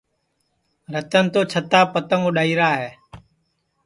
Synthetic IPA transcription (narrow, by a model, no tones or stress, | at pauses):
ɾət̪ənt̪oːt͡ʃʰət̪aːpət̪əŋʊɗaːiːɾaːɦɛː